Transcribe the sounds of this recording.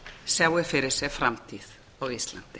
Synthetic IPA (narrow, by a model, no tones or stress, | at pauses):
sjaːwɪfɪɾɪɾ̥sɛfɾamt̪ʰið | ɔɣist̪la̰n̥t̪ɪ̥